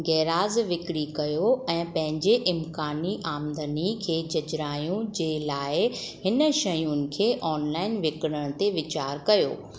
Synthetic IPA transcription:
ɡɛːɾaːzʋɪkɽikɐjoɛ̃ːpɐ̃ɦɪ̃ɲd͡ʑeʔɪmkaːniʔaːmd̪ənikʰeːd͡ʑɐd͡ʑɾaːjũd͡ʑeːlaːɪɦɪnə̆ʃɐjunɪ̆kʰeːʔɔːnlaːɪnʋɪkɽəɽ̃t̪eʋɪt͡ɕaːɾkɐjo̰ː

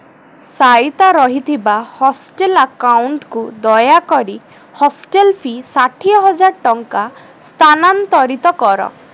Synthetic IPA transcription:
sajt̪aɾɔɦit̪ʰibahɔsʈelakauɳʈkud̪ɔjakɔɾi | hɔsʈelpʰisaʈʰiɔɦɔd͡ʒaɾʈɔŋka | st̪ʰanant̪ɔɾit̪ɔkɔɾɔ̰

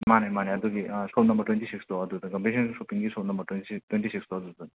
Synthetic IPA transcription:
manemaneɐd̪uɡisowtnɐmbɐɾʈwentisikstoɐd̪ud̪ɐkɐmpesɐnsopiŋɡisotnɐmbɐɾtwenitwenʈisikstoɐd̪ud̪ɐ

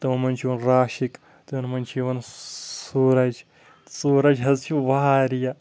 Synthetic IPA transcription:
t̪ɐʋɐnmɐnt͡ʃʰiʋɐnɾaːʃik | t̪ɐɐnmɐnt͡ʃʰiʋɐnsuːɾɐd͡ʒ | suːɾɐd͡ʒʲɦɐzt͡ʃʰiʋaaɾija

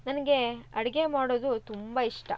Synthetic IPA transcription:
nɐnɐɡe̞ɐɽɐɡe̞maːɽoːd̪ut̪umbɐiʂʈɐ̰

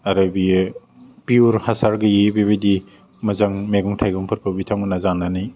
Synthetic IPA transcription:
ɐɾɯbi | piuɾhasaɾɡɐjibebidi | mɐzaŋmeɡuŋtʰajɡuŋpʰɯɾpʰɐbitʰawnazanːanij

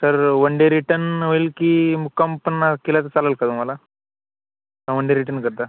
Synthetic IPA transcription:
səɾʋəɳɖeɾiʈənʋoilkimukampənːakilat̪ət͡saləlkat̪um̤ala | kãʋəɳɖeɾiʈənkəɾt̪a

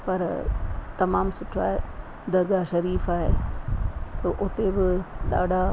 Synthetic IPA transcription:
pɐɾt̪ɐmaːmsʊʈʰaːɦe | d̪ɐɾɡaʃɐɾiːfaːɦe | t̪oːʔʊt̪ebɪɗa̰ːɖʱa

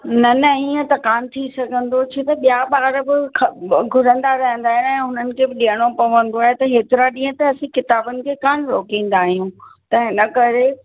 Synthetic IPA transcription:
nɐnɐiə̃t̪ɐkaːnt̪ʰisɐɡʱə̃nd̪ot͡ɕʰet̪ɐɓijaɓaːɾbɪkʰɡʱʊɾə̃nd̪aɾɐɦə̃n̆d̪aːɦj̃ɛ̃ːɦʊnənɪ̆kʰeːbɪɗiːəɽ̃opɐʋə̃nd̪oaːɦet̪ɐɦeːt̪ɪɾaɗĩːɦə̃t̪ɐɐsĩkɪt̪aːbənɪ̆kʰeːkaːɳɾoːkĩːn̆d̪aːɦijũt̪ɐɦɪnəkɐɾe

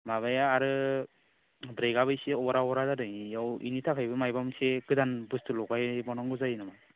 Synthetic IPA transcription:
maβajaːɾɯ | bɾejɡaβɯjseɔbɔɾaɔɔɾadadɯjjawḭnitʰakʰɯjbɯmajbamsekɯdanbɯstɯlɔɡajbɔnɔŋɡɯzajnama

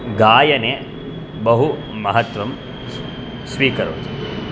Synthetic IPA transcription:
ɡaːjɐne | bɐɦu | mɐɦɐt̪ʋɐm | sʋiːkɐɾo̰ːt̪u

